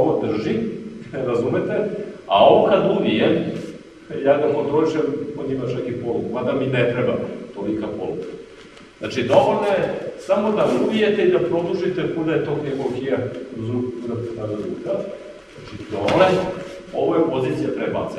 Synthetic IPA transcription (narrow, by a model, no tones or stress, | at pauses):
oʋod̪r̩ʒiɾazumet̪ea̰o̞ʋokad̪ubijem | jaːɡapot̪ɾoiʃemod̪imat͡ʃakipolukmad̪aminet̪ɾɛba̰t̪olikapo̰luka | za̰t͡ʃid̪o̞ʋolʲnojesamo̞d̪aubije̞t̪e̞id̪apɾo̞d̪uʒit̪epud̪ajet̪okd̪emokijazukpud̪at̪t̪ad̪azṵka | znat͡ʃipɾole | oʋojepoziːt̪sijapɾeba̰t̪se